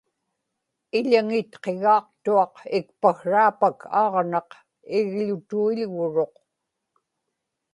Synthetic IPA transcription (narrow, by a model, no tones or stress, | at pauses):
ɪʎaŋɪt̪qe̞ɣɑːq̚t̪uɑqɪkpaxɻaːpakʰɑ̰ːʁnɑq | ɪɣʎʊt̪uiʎɣʊɻo̞q